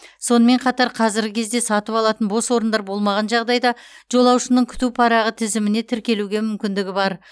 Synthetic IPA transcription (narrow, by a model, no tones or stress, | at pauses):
so̞nəme̞ɴqʰɑt̪ɑɾqʰɑzɪɾɡʲɪkʲʰezd̪e̞sɑt̪əpɑlˠɑt̪ənbo̞swo̞ɾənd̪ɑɾbo̞lˠmɑʁɑnʒɑʁd̪ɑjd̪ɑʒ̥o̞lˠɑwʃənəɴkʲʰʏ̥t̪upʰɑɾɑʁət̪ʰɪzɪmɪne̞t̪ʰɪɾkʲe̞luɡʲe̞mʏmkʲɪnd̪ɪɡʲɪbɑɾ